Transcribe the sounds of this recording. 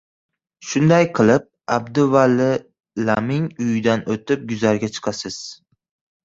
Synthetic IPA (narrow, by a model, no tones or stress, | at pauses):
ʃʊnd̪ajqʰɨlˠɪp̚abd̪ʊvalɪ | lamɪŋʊjd̪anot̪ɪp̚ɡʊzaɾɡʲat͡ʃʰɨ̥qʰɑsɪz̥